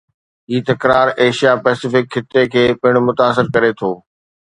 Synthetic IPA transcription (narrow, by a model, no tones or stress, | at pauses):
ɦiːt̪ɐkɾaːɾeːʃijapɛːsɪfɪkːɪt̪ekʰeːpɪɽ̃mʊt̪aːs̬ɪɾkɐɾet̪ʰoː